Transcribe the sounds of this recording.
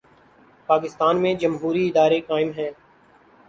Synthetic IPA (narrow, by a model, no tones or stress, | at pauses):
paːk̬ɪst̪aːnmẽd͡ʒəmɦuːɾiɪd̪aːɾekaːɪmɦɛ̃ː